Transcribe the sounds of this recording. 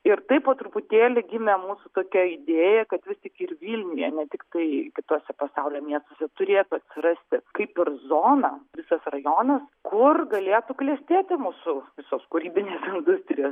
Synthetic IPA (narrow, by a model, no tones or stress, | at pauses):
ɪrt̪ɐɪpoːt̪ɾʊpʊt̪ʲeːlʲɪɡʲɪmʲɛmuːsʊt̪oːkʲɛɪd̪ʲeːjɛkɐt̪ʋʲɪstʲɪkɪrʋʲiːlʲnʲʊjɛ̰nʲɛt̪ʲɪkt̪ɐɪkʲɪt̪uɔsʲɛpɐsɑʊlʲoːmʲiɛst̪oːsʲɛt̪ʊɾʲeːt̪ʊɐt̪ʲsʲɪɾɐsʲt̪ʲɪkɐɪpɪrzoːnɐʋʲɪsɐsrɐjoːnɐskʊrɡɐlʲeːt̪uklʲiɛsʲt̪ʲeːt̪ʲɪmuːsʊʋʲɪsoːskʊɾʲiːbʲɪnʲeːsɪnd̪ʊsʲt̪ʲrʲɪjoːs